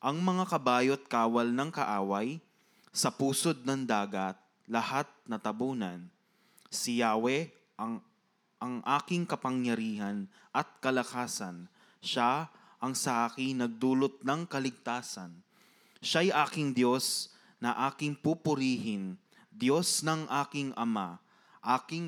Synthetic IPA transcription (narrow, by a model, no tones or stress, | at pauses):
ʔɐŋmɐŋakɐbaːjot̪̚kaːwɐlnɐŋkɐʔaːwɐj | sɐpuːsod̪̚nɐŋd̪aːɡɐt̪̚ | lɐhat̪̚nɐt̪ɐbuːnɐn | sɪjaːwɛ | ʔɐŋ | ʔɐŋʔaːkɪŋkɐpɐŋjɐɾiːhɐn | ʔɐt̪̚kɐlɐkaːsɐn | ʃa | ʔɐŋsɐʔaːkɪŋnɐɡ̚d̪uːlot̪̚nɐŋkɐlɪɡ̚t̪aːsɐn | ʃajʔaːkɪŋd̪jo̞s | nɐʔaːkɪŋpupʊɾiːhɪn | d̪jo̞snɐŋʔaːkɪŋʔɐma | ʔaːkɪŋ